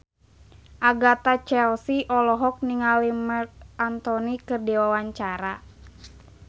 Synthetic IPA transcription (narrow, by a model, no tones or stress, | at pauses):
ʔaɡat̪at͡ʃɛlsiʔɔlɔɦɔk̚niŋalimaant̪ɔnikɨrdiwawaɲt͡ʃaɾa